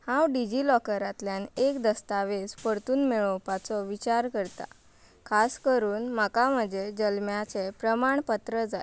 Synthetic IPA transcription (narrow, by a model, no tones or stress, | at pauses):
hãwɖid͡ʑilɔkəɾat̪ljanekd̪əst̪aʋed͡zpəɾt̪uːnmeɭəwpat͡sɔʋit͡ɕaɾkəɾt̪a̰ | kʰaskəɾuːnm̤akaməd͡zʱed͡ʑəlmjat͡sepɾəmaɳpət̪ɾəd͡zae